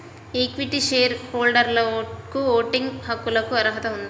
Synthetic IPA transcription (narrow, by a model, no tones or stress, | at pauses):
eːkʋiʈiʃeːɾhoːlɖɐɾlɐkuoːʈiŋɡhɐkːulɐkuɐɾɐɦɐt̪ɐund̪i